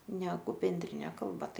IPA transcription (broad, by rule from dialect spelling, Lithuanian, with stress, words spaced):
ˈnʲæːɡʊ bʲɛnʲˈdʲrʲɪnʲɛ ˈkɐlˠbɐ ˈtɐɪ